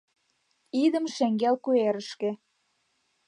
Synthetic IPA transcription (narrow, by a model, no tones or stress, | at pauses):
id̪ə̆mʃeŋɡelkueɾə̆ʃkĕ